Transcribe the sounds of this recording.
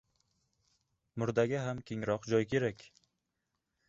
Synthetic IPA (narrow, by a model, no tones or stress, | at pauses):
mʊɾd̪aɡʲaɦamkʲʰeŋɾɒqd͡ʒɒjkʲʰe̞ɾakʲ